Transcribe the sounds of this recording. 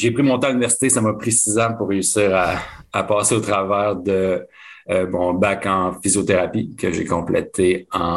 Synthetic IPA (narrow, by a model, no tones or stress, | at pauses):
ʒepχimɔ̃t̪ãynivɛʁsi̥t̪esamʌpχesizãpuʁːeysiːʁaːpɑːseot̪χavɛːʁd̪ə | mɔ̃bakɑ̃fizjot̪eʁapikəʒḛkɔ̃plɛ̰t̪ʰeɑ̃